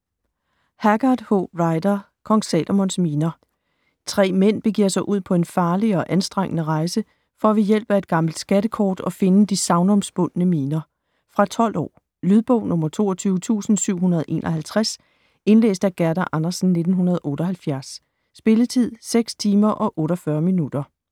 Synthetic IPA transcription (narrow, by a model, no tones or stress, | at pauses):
hæɡ̥ɑd̥hɔʁɑ̈ɪd̥ɐ | kʰɒ̽ŋsɛ̰lʔomɔ̽n̰smiːnɐ | t͡sʰʁɛ̰ːmen̰b̥e̝ɡ̥iɐ̰sɑ̈ɪʔuð̞̰ˠpʰɒ̽e̝nfɑ̈ːliɒ̽ʔænsd̥ʁeŋ̰ənəʁɑ̈ɪsə | fɒ̽æʋijel̰b̥æe̝d̥̚ɡ̥ɑ̈ml̩d̥sɡ̥æɾəkʰɒ̰ːd̥ɒ̽fe̝nəd̥isɑ̈ʊnɒ̽msb̥ɔn̰nəmiːnɐ | fʁɑ̈t͡sʰɒ̽l̰ɒ̰ː | lyð̞ˠb̥ɔʊnɔ̽mɐt͡sʰo̝̰ːɐt͡sʰyːʊət͡sʰṵːsn̩syʊ̰ɦunɐðˠʔe̝̰ːnʔɒ̽ɦælt͡sʰʁas | e̝nlḛːsd̥æɡ̥æɐɾɐʔɑnɐsn̩ne̝d̥n̩ɦunɐð̞ˠʔɔ̽ːɾ̥ɒ̽ɦælfjæɐsː | b̥e̝lət͡sʰið̞̰ˠseɡ̥st͡sʰiːmɐʔɒ̽ʔɔ̽ːɾɒfɶːɐminud̥ɐ